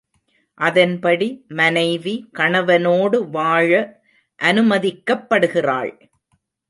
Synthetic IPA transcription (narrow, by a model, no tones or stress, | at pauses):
ʔɐðɐnpɐɽimɐnɐɪʋikɐɳɐʋɐnoːɽɯʋaːɻɐ | ʔɐnɯmɐðɪkːɐpːɐɽɯɣɪra̰ːɭ